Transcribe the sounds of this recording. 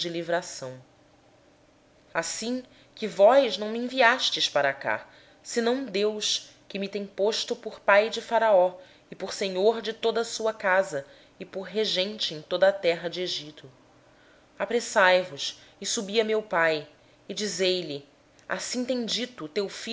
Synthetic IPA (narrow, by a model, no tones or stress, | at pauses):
d͡ʒɪlivɾasɐ̃w̃ | asĩ | kɪvɔjznɐ̃w̃miẽviaʃt͡ʃɪʃpaɾaka̰ | sɪnɐ̃w̃d̪ewʃ | kɪmɪt̪ẽj̃poʃt̪ʊpʊɾpajd͡ʒɪfaɾaɔ | ɪpʊɾseɲoɾd͡ʒɪt̪od̪ɐsuɐkazɐ | ɪpʊɾɦeʒẽnt͡ʃɪẽj̃t̪od̪ɐːt̪ɛɦɐd͡ʒɪeʒit̪ʊ | apɾesajvʊʃɪsubiɐmewpaj | ɪd͡ʒizejlɪ | a̰sĩt̪ẽj̃d͡ʒit̪ʊt̪ewfi